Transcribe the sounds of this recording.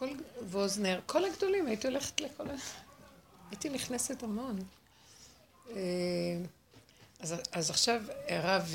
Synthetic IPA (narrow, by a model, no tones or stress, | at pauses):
kolvozneʁkʰo̞laɡdo̞limajitio̞leχe̥tlekʰola | ajitiniχnesetamo̞n | e | azazaχʃaveʁav